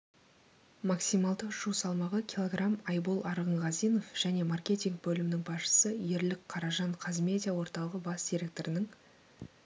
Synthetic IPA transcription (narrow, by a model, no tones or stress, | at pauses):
mɑksimɑlˠd̪əʒusɑlˠmɑʁəkʲilˠo̞ɡramɑjbolˠɑɾʁəɴʁɑzijno̞fʒ̥æne̞markʲe̞t̪ʲiŋk̚bɵlɪmɪnɪŋbɑsʃə̥səje̞ɾlɪkqʰɑɾɑʒɑɴqʰɑzme̞d̪ʲijawo̞ɾt̪ɑlˠəʁəbɑsd̪̥ʲiɾʲe̞k̚t̪oɾɪnɪŋ